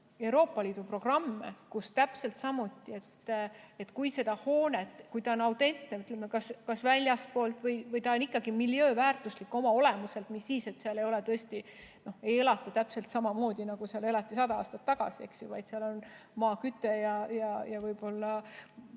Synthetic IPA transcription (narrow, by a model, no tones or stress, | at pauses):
e̞uɾo̞ːpːˑɑliːd̪̥upro̞ɡ̥rɑmːḛkust̪æpse̞lt̪sɑmut̪ːˑie̞t̪e̞t̪kujse̞d̪̥ɑho̞ːnet̪ːˑkujt̪ɑonɑwt̪e̞nt̪neyt̪ˑlemːekɑskɑsvælʲjɑspo̞ːlt̪ˑvɤjvɤjt̪ɑonikːˑɑɡ̥imiljøːvæːrt̪ˑuslikːˑo̞mɑo̞le̞muse̞lt̪misːiːse̞t̪seɑle̞jo̞le̞t̪ɤest̪i | no̞he̞je̞lɑt̪ːˑɑt̪æpse̞lt̪sɑmɑmo̞ːd̪̥ʲinɑɡ̥useɑle̞lɑt̪ːˑisɑd̪ɑɑ̰ːst̪ɑt̪ːɑɡ̥ɑ̰sie̞̰ksjuvɑjd̪seɑlo̞nmɑːkyt̪ːˑe̞jɑjɑjɑvɤjbo̞lːɑ